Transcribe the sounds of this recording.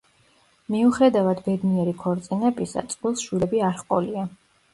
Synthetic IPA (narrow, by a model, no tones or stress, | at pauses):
miuχɾɛd̪avad̪bɛd̪niɛɾikʰɔɾt̪sʼinɛpʼisa̰t̪sʼqʼwilˠsʃwilɛbiaɾχqʼɔlia